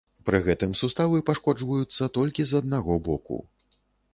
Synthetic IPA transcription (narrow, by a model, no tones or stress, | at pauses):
pɾɨɣɛt̪ɨmsust̪avɨpaʂkɔd͡ʐvɐjut̪sːɐt̪ɔlʲkʲizɐd̪̚naɣɔbɔkṵ